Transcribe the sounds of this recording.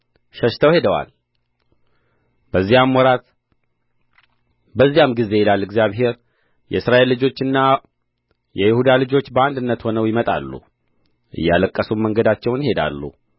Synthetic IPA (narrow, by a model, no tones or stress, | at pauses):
ʃəʃt̪ʰəwhe̞d̪əwa̰l | bəzːijamwɔɾat̪ | bəzːijamɡize̞jɪlalːɨɡzijaβɦe̞ɾ | jɛ̰sɾae̞lːɨd͡ʒo̞t͡ʃːɨnːa | jɛjɪhud̪alɨd͡ʒo̞t͡ʃːbəand̪ɨnːət̪ho̞nəwjɪmət̪ʼa̰lːṵ | ʔɨ̰jːaləkʼːəsuməŋɡəd̪at͡ʃːɛwnjɪhe̞d̪a̰lːṵ